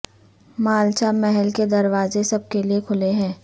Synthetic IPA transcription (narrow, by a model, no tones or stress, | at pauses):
maːlt͡ʃamɛɦɛlked̪ɐɾwaːzesɐb̚keliekʰʊleɦɛ̃ː